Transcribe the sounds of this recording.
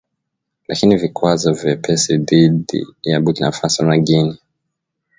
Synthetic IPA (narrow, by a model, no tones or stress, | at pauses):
lakinivikwazɔvjɛpʰɛsiðiɗḭjaɓutina̰fasianaɡini